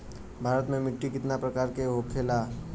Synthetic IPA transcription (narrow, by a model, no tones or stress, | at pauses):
bʱaːɾət̪mẽmɪʈːikɪt̪napɾɐkaːɾkeɦokʰeːlaː